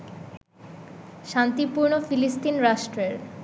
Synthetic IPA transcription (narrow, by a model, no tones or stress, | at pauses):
ʃant̪ipuɾnofilist̪inɾaʃʈɾeɾ